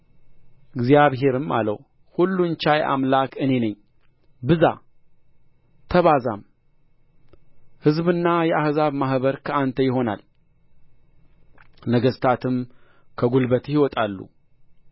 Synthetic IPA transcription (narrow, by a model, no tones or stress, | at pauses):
ʔɨɡzjaβɦe̞ɾɨma̰lə̰w | hulːunt͡ʃajʔa̰mlakʰɨne̞nəɲː | bɨza̰ | t̪ʰəβaza̰m | hɨzbɨnːajɛahzaβmaɦβəɾkʰəant̪ʰəjɪɦo̞na̰l | nəɡəst̪ʰat̪ʰɨm | kʰəɡulbət̪hiwɔt̪ʼalːṵ